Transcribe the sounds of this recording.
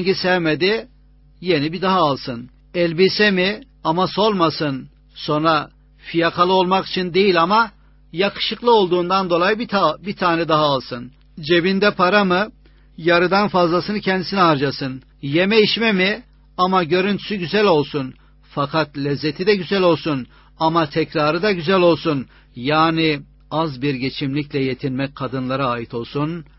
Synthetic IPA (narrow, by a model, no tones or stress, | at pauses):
ɟisɛvmed̪i | je̞nibid̪aɦaːlˠsɯn | ɛlʲbisɛmi | amaso̞lˠmasɯn | so̞nɾa | fijakʰalˠɯolˠmaki̥t͡ʃʰind̪e̞jilʲama | jakʰɯ̥ʃɯklˠɯo̞lˠd̪uːnd̪and̪o̞lˠajbit̪ʰaːnɛd̪aɦaːlˠsɯn | d͡ʒe̞bind̪ɛpʰaɾamɯ | jaɾɯd̪anfazlˠasɯnɯcʰɛnd̪isinɛaɾd͡ʒasɯn | je̞mɛjiʃmɛmi | amaɟø̞ɾynt̪ʰy̥syɟyzælʲo̞lˠsun | fakʰat̪lʲɛzːet̪ʰid̪ɛɟyzælʲo̞lˠsun | amat̪ʰɛcɾaːɾɯd̪aɟyzælʲo̞lˠsun | jaːni | azbiɾɟe̞t͡ʃʰimlʲiclʲɛje̞t̪ʰinmɛc̚kʰad̪ɯnlˠaɾɯaːjit̪ʰo̞lˠsun